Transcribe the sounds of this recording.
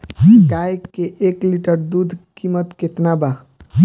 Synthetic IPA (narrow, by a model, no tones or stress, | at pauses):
kajeʔeːkliʈəɾd̪ud̪ʱkimət̪ket̪naba